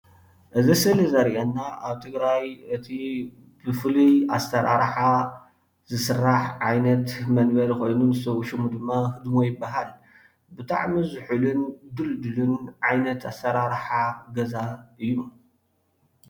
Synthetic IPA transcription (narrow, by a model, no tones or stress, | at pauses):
ʔɨzisɨlɨzɐɾʔɐnːaʔaβt̪ʰɨɡɾajɨt̪ʰi | b̥ɨflia̰st̪ʰɐɾa̰ɾħa | zɨsɨrːaħʕajnɐt̪mɐnbɐlko̞jnunɨsɐwʃumud̪ɨmːahɨd̪mojɪbːaɦal | bɨt̪ʰʼa̰ʕmizɨħulund̪ɨld̪ɨlunʕajnɐt̪ast̪ʰɐɾaɾħaɡɐzaʔɨjːu